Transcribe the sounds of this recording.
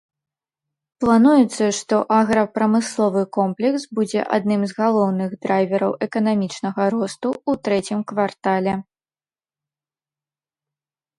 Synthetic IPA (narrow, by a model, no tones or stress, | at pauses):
plˠanujɛt̪sːɐʂt̪ɔʔaɣɾɐpɾɐmɨslˠɔvɨkɔmplʲɛksbud͡zʲɛ̰ʔa̰d̪nɨmzɣalˠɔwnɨɣd̪ɾajvʲɛɾɐwʔɛkɐnamʲit͡ʂnɐɣɐɾɔst̪uut̪ɾɛt͡sʲimkvart̪alʲɛ